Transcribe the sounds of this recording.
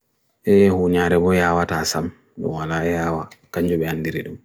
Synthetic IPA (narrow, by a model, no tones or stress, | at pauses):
ʔɛhuːɲaɾɛbɔjaːwataːsam | ɗɔ̰mwalaːjaːwakaɲd͡ʒɔɓɛhandiɾiɗum